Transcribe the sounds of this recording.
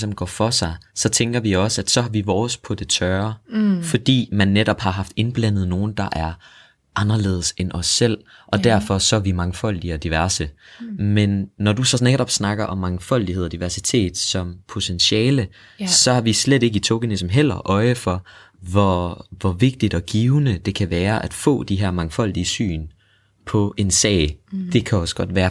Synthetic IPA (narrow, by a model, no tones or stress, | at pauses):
sm̩ɡ̥ɒ̰ːfɒ̽sɑ̈ɪsɒ̽t͡sʰeŋɡ̥ɐʋiɒ̽səæd̥sɒ̽ɦɑ̈ʋiʋɒːspʰɒ̽d̥e̝t͡sʰɶːɐfɒ̽d̥ḭːmænːeɾɒ̽b̥hɑ̈ɦɑ̈fd̥e̝nb̥læn̰ð̞̩ˠno̝ːn̩d̥ɑ̈ʔæɐ | ʔɑ̈nɐle̝̰ːð̞̩ˠsenʔɒ̽sːel̰ | ʔɒ̽d̥æɐfɒ̽sɒ̽æʋimɑ̈ŋfɒ̽l̰d̥iɒ̽d̥iʋæɐsəmenːɒd̥usɒ̽neɡɾɒ̽b̥snɑ̈ɡ̥ɐʔɒ̽mːɑ̈ŋfɒ̽l̰d̥iɦeð̰ˠɒd̥iʋæɐsit͡sʰe̝̰ːd̥sɒ̽mpʰo̝t͡sʰenɕɛːlə | sɒ̽hɑ̈ʋislede̝ɡ̥əit͡sʰoɡ̥ænism̩ɦel̰ɐʔɒ̽ɪəfɒ̽ | ʋɒʋɒʋe̝ɡ̥̚d̥id̥ɒ̽ɡ̥iːʊnəd̥e̝kʰæʋæːɐʔæd̥fɔ̰̽ːd̥iɦæɐ̰mɑ̈ŋfɒ̽l̰d̥iəsy̰ːn | pʰɒ̽ʔe̝nsɛ̰ːɪd̥e̝kʰæɒ̽sɡ̥ɒ̽d̥ʋæːɐ